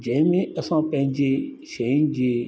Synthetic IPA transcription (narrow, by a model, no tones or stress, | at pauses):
d͡ʒɛimĩɛsãpɛ̃d͡ʒe | ʃeĩd͡ʒe